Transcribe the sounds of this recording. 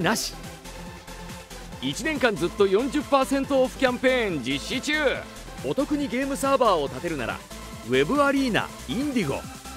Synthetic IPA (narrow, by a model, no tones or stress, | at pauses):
naɕi̥ | it͡ɕine̞ŋkãnd͡zɨt̪ːo̞jõ̞ɲ̟d͡ʑɨpːaːsẽ̞nt̪o̞ːɸɯ̟̥kʲãmpẽ̞ːɲd͡ʑiɕːit͡ɕɨː | o̞t̪o̞kɯ̟ɲ̟iɡe̞ːmɯ̟saːbaːo̞t̪at̪e̞ɾɯ̟na̰ɾa̰ | βe̞bɯ̟aɾʲiːna̰ | ĩnd̪ʲiɡo̞̰